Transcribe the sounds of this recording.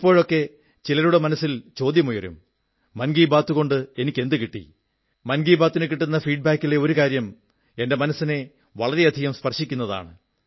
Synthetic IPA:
ipːo̞ːɻo̞kːe̞ | t͡ɕilɐɾuɽemɐnɐsːilt͡ɕo̞ːd̪jɐmujɐɾṵmː | ɐnɡiːbaːt̪ːuɣo̞ɳɖɨe̞nikʲːe̞nd̪ɨkiʈːḭ | mɐnɡiːbaːt̪ːinɨkiʈːunːɐfiːɖ̚baːkːileo̞ɾukaːɾjɐm | e̞nde̞mɐnɐsːine̞ | ʋɐɭɐɾeɐd̪ʱiɣɐmspɐrʂikʲːunːɐða̰ːɳɨ

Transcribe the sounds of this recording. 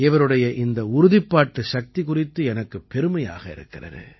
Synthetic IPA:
ɪʋɐɾɯɽɐjɐʔɪnd̪ɐʊɾʊðɪpːaːʈːɯʃɐk̚t̪ikʊrɪt̪ːɯɛnɐkːɯpːɛɾɯmɐja̰ːɣɐɪ̰ɾɯ̰kːɪrɐ̰ɾɯ̰

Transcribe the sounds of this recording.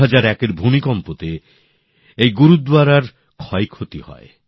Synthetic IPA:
ad͡ʒaɾɛkeɾbʱumikɔmpot̪e | ejɡuɾud̪waɾaɾ | kʰɔjkʰot̪ihɔ̰e

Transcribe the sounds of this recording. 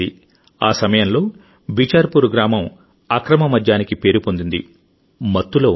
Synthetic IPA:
i | aːsɐmɐjɐmlo̞ː | bit͡ʃaːɾpuɾɡɾaːmɐm | ɐkɾɐmɐmɐd͡ʒ̪jaːnikipe̞ːɾupond̪und̪ḭ | mɐt̪ːulɐː

